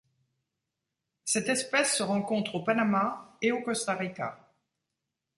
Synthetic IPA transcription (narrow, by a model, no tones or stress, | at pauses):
sɛt̪ɛspɛsːəʁɑ̃kɔ̃t̪χopanamaeokɔst̪aʁika̰